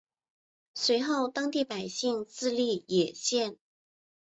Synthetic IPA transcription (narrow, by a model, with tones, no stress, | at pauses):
swe˧˥ɪxo˥˩ʊt̪ɑ˥ŋt̪i˥˩pa˨˩ɪɕi˥˧ŋt͡sɹ̩˥˧li˥˩jɛ˨˩ɕjɛ˥˩n